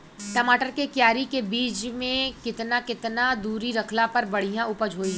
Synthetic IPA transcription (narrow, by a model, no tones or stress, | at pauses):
ʈɐmaːʈəɾkekjaːɾikebiːt͡ʃmẽkɪt̪nakɪt̪nad̪uːɾiɾɐkʰlapɐɾbɐɽ̤ijãʊpəd͡ʒʱɦoːiɦɛ